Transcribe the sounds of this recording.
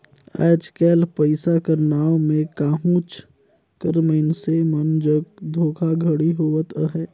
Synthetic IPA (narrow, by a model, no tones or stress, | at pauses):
a̰ːd͡ʒkɛːlpəɪsakəɾnaːomẽkaːɦũːt͡ʃ | kəɾməɪnsemənd͡ʒəɡ̚d̪ʱoːkʰaɡʱəɽiɦoːʋət̪əɦɛː